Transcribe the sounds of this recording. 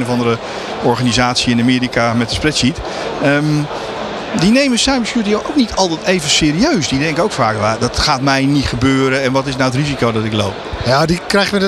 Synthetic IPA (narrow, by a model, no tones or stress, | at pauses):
novɑndəɾə | ɔɹχanizaːtsjiɪnamiːɾikamɛt̚əsprɛtsit | əm | dinejməsɛjməsjuːtəjowʔowknitʰɔlˠtɛtejvənsɪːɾiøɥsdidɛŋkəowkfaːkʋadɔtχaːtmɛjnitχəbøːɾəɛnʋɔtɪsnawətrizikowdɔtɪklowp̚jadikrɛjxmə